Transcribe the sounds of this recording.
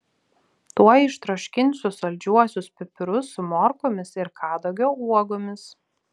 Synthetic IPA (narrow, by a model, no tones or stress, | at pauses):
t̪uɔɪʃt̪ɾoʃʲkʲɪnʲsʲʊsɐlʲd͡ʒʲuɔsʲʊspʲɪpʲɪɾʊsʊmɔɾkomʲɪsɪɾkʰɑːd̪oʊɡʲɛʊuɔɡomʲɪs